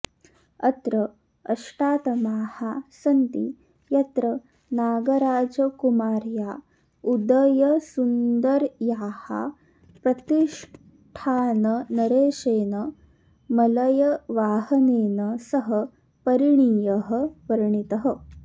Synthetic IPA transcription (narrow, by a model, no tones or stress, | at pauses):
ɐt̪ɾɐ | ɐʂʈaːt̪ɐmaːhasɐnt̪i | jɐt̪ɾɐ | naːɡɐɾaːd͡ʒɐkumaːɾjaː | ud̪ɐjɐsund̪ɐɾjaːha̰ | pɾɐt̪iʂ | ʈʰaːnɐnɐɾeːʃeːnɐ | mɐlɐjɐʋaːhɐneːnɐsɐɦɐ | pɐɾiɳijɐɦɐ̆ʋɐɾɐɳit̪ɐɦɐ